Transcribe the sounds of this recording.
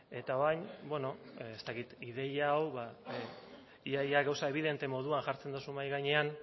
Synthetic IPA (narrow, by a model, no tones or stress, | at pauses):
e̞t̪ao̞ɾajɲbwe̞no̞est̪akit̪iðe̞jaːwβa | iajaɡawsae̞β̞iðe̞nt̪e̞mo̞ð̞uanʝaɾt͡se̞nd̪usumajɣajɲe̞an